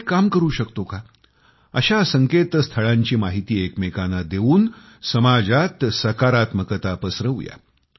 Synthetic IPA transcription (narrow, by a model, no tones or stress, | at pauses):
kamkəɾuːɕəkt̪oka | əɕasəŋket̪əst̪ʰəɭãɲt͡ɕiːmaɦit̪iːekmekanəd̪euːn | səmad͡zat̪səkaɾat̪məkət̪apəsɾəʋuja̰